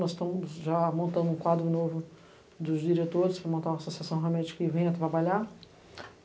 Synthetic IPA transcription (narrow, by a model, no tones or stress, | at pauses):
nɔzt̪ɐ̃mʊzʒamõnt̪ɐ̃nd̪ʊũkwad̪ɾʊnovʊ | d̪ʊzd͡ʒiɾet̪oɾɪsfɾamõnt̪aɾũasosiasɐ̃w̃ɦamɛ̃d͡ʒi̥kɐɪvẽj̃ɐt̪ɾabaʎa